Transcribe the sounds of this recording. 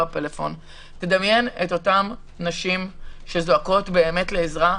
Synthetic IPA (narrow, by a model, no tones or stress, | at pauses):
apelefo̞̰n | te̞d̪ɐmje̞neto̞tam | naʃimʃe̞zoako̞tbe̞ːme̞tleezʁa